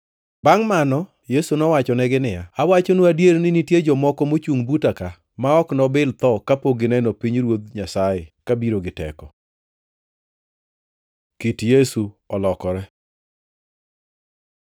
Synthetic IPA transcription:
baŋmanɔ | jesunɔwat͡ʃɔnɛɡɪnɪjaawat͡ʃonuadjeɾnɪnitjed͡ʒɔmɔkɔmot͡ʃuŋbutaka | maɔknɔbɪlt̪ɔkapoɡɪnɛnopiɲɾwod̪ɲasajɛkabiɾoɡɪtɛ̰kɔ | kitjesuɔlɔkɔɾɛ

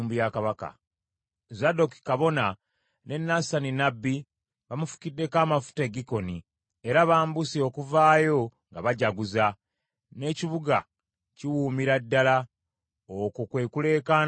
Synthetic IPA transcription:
mbujakaβaka̰ | zado̞ki̥kaβo̞na | ne̞nːasaninabːi | βamufu̥kidːe̞kaːmafu̥teɡiko̞ni | e̞ɾaβaːmbusio̞kuvaːjo̞ŋɡaβaɟaɡuza | ne̞ːciβuɡa | ciwuːmiɾadːala | okukwe̞ːkule̞ːkan

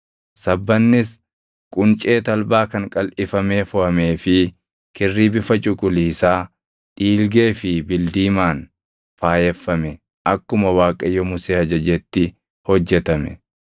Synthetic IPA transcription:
sɐbːɐnːɪs | kʼʊnt͡ʃʼe̞ːt̪ɐlbaːkɐŋkʼɐlʔɪfɐme̞ːfʊʔɐme̞ːfɪ | kɪrːiːbɪfɐt͡ʃʼʊkʼʊliːsaː | t̪ʼiːlɡe̞ːfɪbɪld̪iːmaːn | faːjɛfːɐmɛ | ʔɐkːʊmɐwaːkʼɐjɔmʊseːhɐd͡ʒɐd͡ʒɛt̪ːɪ | hɔd͡ʒːɛt̪ɐmɛ̰

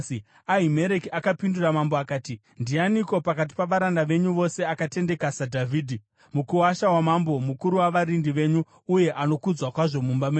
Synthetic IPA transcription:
aɦime̞ɾekiakapinduramamboakaːti | ndianiko̞pakat̬i̥paʋaɾandaʋe̞ɲuʋo̞se̞akate̞nde̞kasadʱavʱiːdʱi | mukuwaʃawamambo̞mukuɾuwaʋaɾindiʋe̞ɲuː | je̞ʔano̞kud͡zwakwaʐo̞mumbamweː

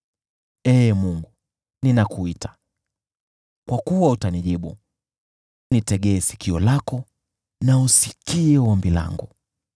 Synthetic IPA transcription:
ɛːmuŋɡu | ninakuitḁ | kwakuwautaniʄiɓu | nitɛɠɛːsi̥kiɔlakɔ | nausikiɛɛwambila̰ŋɡṵ

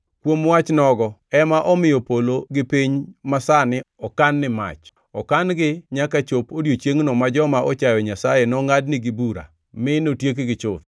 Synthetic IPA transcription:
kwomwat͡ʃnɔɡɔɛmaʔɔmɪjɔpoloɡɪpiɲmasanɪɔkanːɪma̰t͡ʃ | ɔkanɡɪɲakat͡ʃopodjot͡ʃjeŋnɔmad͡ʒɔmaʔɔt͡ʃajɔɲasajenɔŋadnɪɡɪbuɾa̰ | mɪnotjek̬ɡɪt͡ʃʊt̪

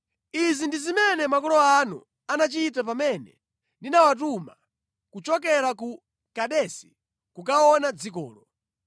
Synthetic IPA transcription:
izindizimɛnɛmakɔlɔanṵ | anat͡ʃit̬ap̬amɛnɛ̰ | ndinawat̬uma | kut͡ʃɔk̬ɛɾaku | kaɗɛsi̥ | kukaɔnad͡zik̬ɔ̰ːlɔ

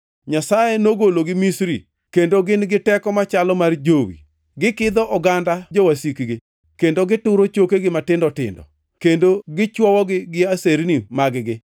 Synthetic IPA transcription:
ɲasajenoɡoloɡɪmisɾi | kendoɡɪnɡɪtɛkɔmat͡ʃalɔmard͡ʒowḭ | ɡɪkɪd̪ɔʔɔɡandad͡ʒowasikɡɪ | kendoɡɪtʊɾot͡ʃokeɡɪmatɪndɔtɪ̰ndɔ̰ | kendoɡɪt͡ʃwɔwɔɡɪɡɪaseɾnimaɡɡɪ

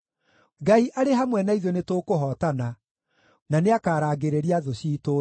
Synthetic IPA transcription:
ɡaiʔaɾeɦamwɛnaiðɔnetoːkoɦɔːtana | naneakaːɾaːɡeɾeɾiaðoɕiːto

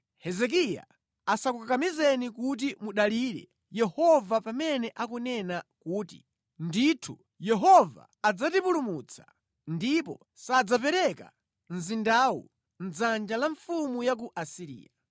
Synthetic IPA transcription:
hɛzɛk̬ija̰ | asakukakamizɛnikut̬imuɗaliɾɛ̰ | jɛhɔvapamɛnɛʔakunɛnakuːtḭ | nditʰu | jɛɦɔva̰ːd͡zatipulumut͡sʰḁ | ndipɔ̰ | sad͡zapɛɾɛka̰ | nzindaːwṵ | nd͡zand͡ʒalaɱfumujak̬uʔasiɾḭːja̰

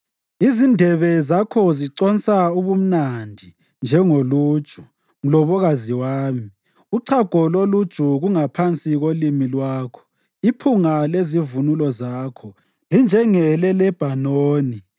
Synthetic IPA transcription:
izindʱɛβɛzakʰɔziǀɔnsʼauβum̩nandʱi | nd͡ʒʱɛŋoluːd̥ʒ̥ʱu | ŋ̩lɔβɔɣaziwaːmi | uǀʰaɡ̥ʱɔlolud̥ʒ̥ʱuɣuŋapʰant͡sʼiɣolimilwaːkʰɔ̥ | ipʰuŋalezivunulɔzaːkʰɔ | lind͡ʒʱɛŋɛlɛlɛb̥ʱanoːni

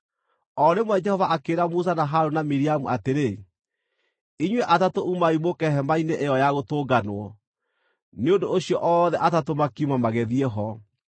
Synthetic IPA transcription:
ɔɾemwɛd͡ʒɛhɔvaʔakeːɾamusanaɦaɾonamiɾiamuateɾe | iɲwɛʔatatoʔumaimokɛɦɛmaineʔeɔjaɣotoːɡanowɔ | neondooɕiɔʔɔðɛʔatatomakiumamaɣɛðiɛɦɔ

